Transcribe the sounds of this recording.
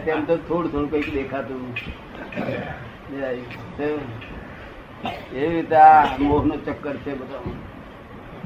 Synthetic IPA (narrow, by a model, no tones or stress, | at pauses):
t̪emt̪ot̪ʰoːɽut̪ʰoːɽukəikd̪eːkʰat̪ũ | ase | eʋit̪amoːɦnot͡ʃəkːəɾt͡ʃʰebət̪a